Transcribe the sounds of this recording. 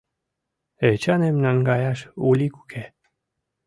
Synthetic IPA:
et͡ɕɑnemnanɡɑjɑʃulʲikukʰe

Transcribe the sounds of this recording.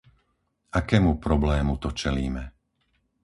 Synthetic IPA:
ʔakɛːmupɾɔblɛːmut̪ɔt͡ʃɛliːmɛ

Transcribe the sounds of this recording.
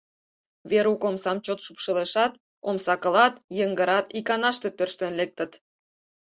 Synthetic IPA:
βeɾukomsɑmt͡ɕot̪ʃupʃəleʃɑt̪ | omsɑkə̆lɑt̪jəŋɡəɾɑt̪ikɑnɑʃt̪e̽t̪ørʃt̪ə̆nlek̚t̪ə̆t̪

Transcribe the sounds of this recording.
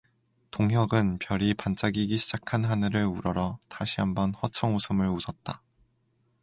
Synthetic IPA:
toŋɦjʌɡɯnpjʌɾipant͡ɕ͈aɡiɡiɕʰid͡ʑakʰanɦanɯɾɯɭuɾʌɾʌtaɕʰiɦambʌnhʌt͡ɕʰʌŋosʰɯmɯɭusʰʌt̚t͈a

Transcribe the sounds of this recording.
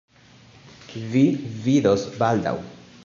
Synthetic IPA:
vividosbald̪a̰w

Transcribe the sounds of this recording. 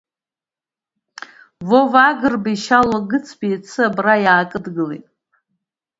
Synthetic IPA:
vovaɡɨrbaiʃalaɡɨt͡sʰbijt͡sʰɨabrajaːkʼɨdɡɨlḛtʼ

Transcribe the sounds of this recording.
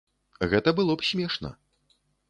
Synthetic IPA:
ɣɛt̪ɐbɨlˠɔpsʲmʲɛʂnɐ̰

